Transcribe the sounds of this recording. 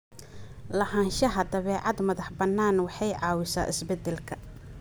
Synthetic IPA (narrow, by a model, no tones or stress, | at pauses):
lɐɦaːnʃɐɦɐd̪ɐβɛːʕɑd̪mɐðɐħbɐnːaːnwɑħɑjʕɑːwɪsa̰ːʔɪsbɛd̪ɛlkʰɐ